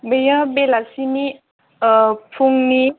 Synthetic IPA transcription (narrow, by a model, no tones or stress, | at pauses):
bejə̃belasini | əpʰuŋni